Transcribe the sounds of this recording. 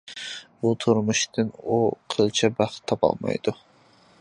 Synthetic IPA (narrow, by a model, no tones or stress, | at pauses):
bʊt̪ʰʊɾmʊʃt̪ɪnʊqʰɨlˠt͡ʃʰabɑχt̪ʰːɒpʰɒ̰lˠma̰jd̪̥ʊ